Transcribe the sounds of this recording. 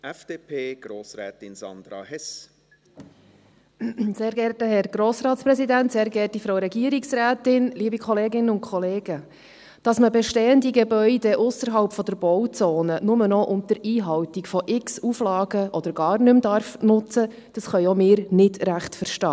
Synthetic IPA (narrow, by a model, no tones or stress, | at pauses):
ʔɛfd̥eːpʰeːɡ̥ɾoːsɾɛ̰ːt̪ɪnsɑ̰nd̪ɾɑ̰hɛs | seːɾɡɛrtəhɛɾɡ̥ɾoːsɾɑːt̪spɾɛsidæntseːɾɡɛːrtifɾoʊɾɛɡiəɾiksɾæːtɪnliːbikʰχɔleːɡɪnəʊnkʰχɔleːɡ̥ə | d̥ɑsməbɛʃteːəndiɡɛbœʏdɛʔʊsəɾɦɑlpfɔd̥̪əɾb̥ɔwt͡soːnənʊmənɔʔʊmt̪əɾiːɦɑwtikfɔʔɪksuflɑːɡəʔɔd̥̪əɾɡɑːrnʏmdɑrfnʊt͡sə | d̥ɑsχœʏɔmɪːɾnɪdɾæχtfəɾʃtɑː